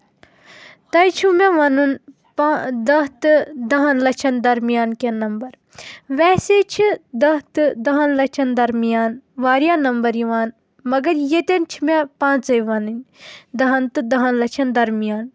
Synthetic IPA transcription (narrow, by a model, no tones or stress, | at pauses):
t̪ɐjt͡ʃʰumeʋɐnɨn | pːd̪ɐɦt̪ɨd̪ɐɦɐnlɐt͡ʃʰɐnd̪ɐɾmijaːnkenɐmbɐɾ | ʋɛːset͡ʃʰid̪ɐt̪ɨd̪ɐɦɐnlɐt͡ʃʰɐnd̪ɐɾmijaːnʋaːɾjaːnɐmbɐɾjiʋaːn | mɐɡɐɾjet̪ɐnt͡ʃʰimepãːt͡sɐjʋɐnɨnd̪ɐɦɐnt̪ɨd̪ɐɦɐnlɐt͡ʃʰɐnd̪ɐɾmijaːn